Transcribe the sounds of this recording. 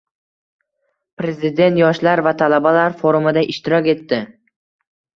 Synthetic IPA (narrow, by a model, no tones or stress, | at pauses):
pɾe̞zɪd̪e̞nt̪jɒʃlaɾvat̪ʰalabalaɾfoɾʊmɪd̪aʔɪʃt̪ɪɾɒkʲe̞t̪ːɪ